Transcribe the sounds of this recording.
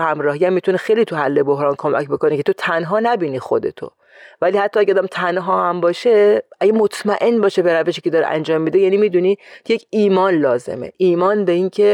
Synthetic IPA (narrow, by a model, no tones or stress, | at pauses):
hæmɾɒːɦijæmːit̪ʰunexejliːt̪ʰuhælːe̞boɦɾɒːnkʰo̞mæ̰cbo̞ko̞nekʰe̞t̪ʰo̞t̪ʰænɦɒːnæbiːniːxo̞̰d̪e̞̰t̪ʰo̰ | væliːhæt̪ʰːɒæɟeɔd̪æmt̪ʰænɦɒːhæmbɒːʃe̞ʔæɟemo̞t̪ʰmæʔe̞nbɒːʃebeɾæve̞ʃiːcʰe̞d̪ɒːɾḛʔæ̰nd͡ʒɒːmːid̪ejæniːmiːd̪uniːje̞cʰiːmɒːnlɒːzḛmḛʔiːmɒːnbe̞iːncʰe